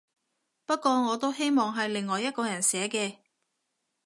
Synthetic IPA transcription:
pɐ˥t̚kʷɔː˧ŋɔː˨˧t̪o˥wɦe˥jmɔː˨ŋɦɐ˨jlɪ˨ŋːɔː˨jːɐ˥t̚kɔː˧jɐ˨˩nsɛː˨˥kɛː˧

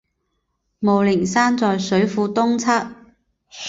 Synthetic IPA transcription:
mo˨wlɪ˨˩ŋsaː˥nt͡sɔː˨jsɵ˨˥ɥfuː˧t̪ʊ˥ŋt͡sʰɐ˥t̚

